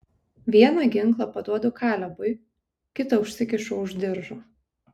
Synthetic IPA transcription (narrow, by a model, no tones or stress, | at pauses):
ʋʲiɛnɑˑɡʲɪŋˑklˠɐpɐd̪uɔd̪ʊkʰɑːlʲɛbʊɪ | kʲɪt̪ɐʊʃʲsʲɪkʲɪʃʊʊʒʲd̪ʲɪɾʒoː